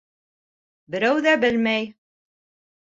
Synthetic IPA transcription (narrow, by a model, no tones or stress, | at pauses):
bɘ̆ɾæwðæbɘlmæj